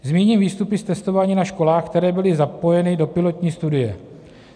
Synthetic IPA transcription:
zmiːɲiːmviːst̪upɪst̪ɛst̪o̞vaːɲiːnaʃko̞laːxkt̪ɛɾɛːbɪlɪzapo̞jɛnɪdo̞pɪlo̞t̪ɲiːst̪udɪjɛ

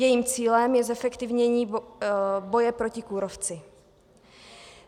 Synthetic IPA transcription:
jɛjiːmt͡siːlɛmjɛzɛfɛkt̪ɪvɲɛɲiː | bo̞jɛpɾo̞cɪkuɾoft͡sɪ

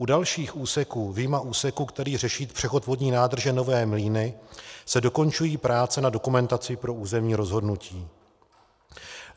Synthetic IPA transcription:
ʔudalʃiːxʔuːsɛkuːvɪjmaʔuːsɛkuːkt̪ɛɾiːr̝ɛʃiːt̪pr̝̥ɛxo̞t̪vodɲiːnaːd̪r̩ʒɛno̞vɛːmliːnɪsɛdo̞ko̞nt͡ʃujiːpɾaːt͡sɛnado̞kumɛnt̪at͡sɪpɾo̞ʔuːzɛmɲiːɾo̞zɦo̞dnuciː

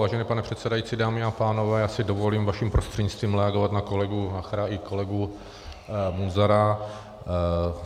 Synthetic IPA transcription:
vaːʒɛniːpanɛpr̥ɛt̪sɛdajit͡sidaːmɪapaːno̞vɛːjaːsɪdovo̞liːmvaʃimpɾost̪r̥ɛɟɲɪt͡sst̪viːmɾɛaɡovat̪nako̞lɛɡuaxɾaʔɪko̞lɛɡu | munzaɾa

